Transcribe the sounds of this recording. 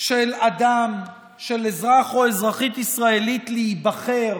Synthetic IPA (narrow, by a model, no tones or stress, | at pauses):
ʃelad̪am | ʃe̞lezʁaχoezʁaχit̪isʁaelit̪leibaχe̞ʁ